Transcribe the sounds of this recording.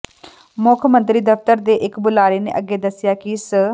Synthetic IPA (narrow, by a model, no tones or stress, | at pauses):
mʊkʰmə̃nt̪ɾiːd̪əft̪əɾd̪eːʔɪkbʊlaːɾiːnḛːʔəɡːeːd̪əsɪjaːkisə